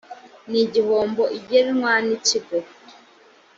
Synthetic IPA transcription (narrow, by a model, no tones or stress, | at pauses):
niɟihoːmboʔiɟeɾiŋwaːniciɡo